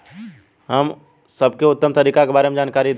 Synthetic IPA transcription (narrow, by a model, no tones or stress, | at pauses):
ɦɐm | sɐbkeʊt̪ːəmt̪ɐɾiːkakebaːɾemed͡ʒaːnkaːɾid̪